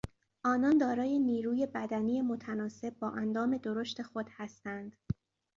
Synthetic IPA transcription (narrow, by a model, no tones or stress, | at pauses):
ʔɒːnɒnd̪ɒːɾɒːje̞niːɾuːje̞bæd̪æniːje̞mot̪ʰænɒːse̞b̚ːɒːʔænd̪ɒːme̞d̪o̞ɾo̞ʃt̪e̞xo̞d̪̥hæst̪ænd̪̥